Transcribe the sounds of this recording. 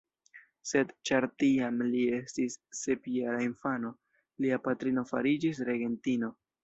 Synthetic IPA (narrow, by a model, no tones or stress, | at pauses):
se̞dt͡ʃaɾtiamlie̞stisːe̞pieɾainfano̞ | liapatɾino̞fa̰ɾid͡ʒis̬ɾe̞ɡe̞ntino̞